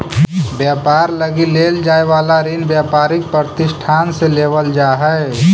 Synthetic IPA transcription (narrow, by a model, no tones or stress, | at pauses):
bjaːpaːɾləɡileːld͡ʒaːeʋaːlaɾinbjapaːɾɪk̚pɾəɾt̪ɪʃʈʰaːnseleːʋəld͡ʒaːɦɛ